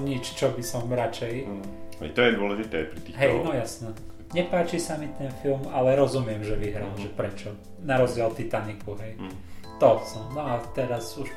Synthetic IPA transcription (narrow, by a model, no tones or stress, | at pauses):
ɲit͡ʃt͡ʃɔbisɔmɾat͡ʃɛjɛ̰jt̪ɔjɛd̪ʊɔlɛʒit̪ɛ̰pɾit̪iːɦɛjnɔjasnɛ | ɲɛpaːt͡ʃisamit̪ɛnfilmalɛɾɔzumɪɛmʒɛʋiɦɾaːlʒɛpɾɛt͡ʃɔ | naɾɔzd͡ʑɪɛlt̪it̪anikuɦɛj | t̪ɔsɔmnɔat̪ɛɾazuʃ